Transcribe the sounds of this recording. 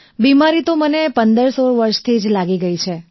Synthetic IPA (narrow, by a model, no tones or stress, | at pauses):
bimaɾit̪omənepənd̪əɾsoɾʋəɾʃt̪ʰid͡ʒlaɡiɡəit͡ʃʰe